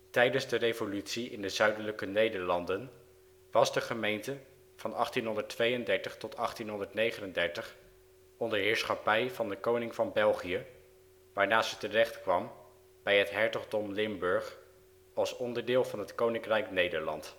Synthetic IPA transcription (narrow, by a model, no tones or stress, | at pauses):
tɛjdənzdərejvolytsiʔɪndəzœɥdələkənejdəɹlɑndən | ʋɑzdəχəmejntə | v̥ɑnɑχtinɦɔndəɹtʋejəndɛɹtəχtɔtɑχtinɦɔndəɹtnejχənəndɛɹtəχ | ɔndəɹɦɪːɹsχɑpɛjvɑndəkownɪŋvɑnbɛlˠχijə | ʋaːɹnaːszətərɛχtkʋɑm | b̥ɛjɦətɦɛɹtɔχdɔmlɪmbɵɹχ | ɑlˠsɔndəɹdɪːlˠvɑnɦətkownɪŋkrɛjknejdəɹlɑ̰nt